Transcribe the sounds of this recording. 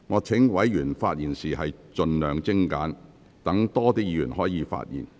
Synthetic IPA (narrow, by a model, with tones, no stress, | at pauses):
ŋɔː˨˧t͡sʰɪ˨˥ŋwɐ˨˥jjyː˨˩nfaː˧t̚jiː˨nsiː˨ɦɐ˨jt͡ʃɵ˧nlœː˨ŋt͡sɪ˥ŋka̰ː˨˥n | t̪ɐ˨˥ŋt̪ɔː˥t̪iː˥jiː˧jyː˨˩nhɔː˨˥jiː˨˧fa̰ː˧t̚jḭː˨˩n